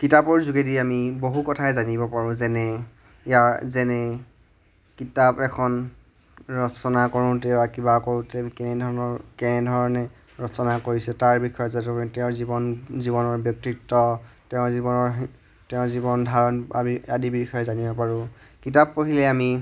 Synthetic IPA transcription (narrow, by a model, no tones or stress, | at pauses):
kitapɔɹzuɡediamiboɦukɔtʰaɛzanibɔpaɹʊ̃zɛnɛ | ijaɹzɛnɛ | kitapɛkʰɔn | ɹɔsɔnakɔɹʊ̃tɛbakibakoɹʊ̃tɛkɛnɛdʱɔɹɔnɔɹkɛnɛdʱɔɹɔnɛ | ɹɔsɔnakoɹisɛtaɹbikʰɔjɔzatutɛʊ̃zibɔnziβɔnɔɹbjɔk̚tiktːɔtɛʊ̃zibɔnɔɹ | tɛʊ̃zibɔndʱaɹɔnamiadibibixʰɔjɔzanibɔpaɹʊ̃kitapːoɦilɛami